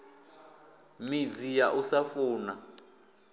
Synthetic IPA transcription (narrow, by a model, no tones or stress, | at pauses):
mid͡zijaʔusafuːna